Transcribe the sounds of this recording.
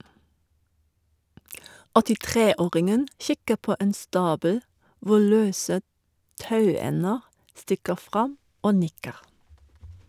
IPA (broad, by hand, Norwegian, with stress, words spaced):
ɔtɪˈtʁeː ˈoːʁɪŋən ˈçɪkə ˈpoː ˈeːn ˈstɑːbəl ˈʋʊ ˈɭøːsə ˈtɑʉˌɛnəʁ ˈstɪkəʁ ˈfʁɑm ˈoː ˈnɪkəʁ